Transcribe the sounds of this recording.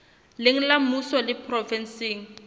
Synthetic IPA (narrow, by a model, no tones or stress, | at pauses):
lɪŋ̩lamusɔlɪpʰrɔfɛnseːŋ̩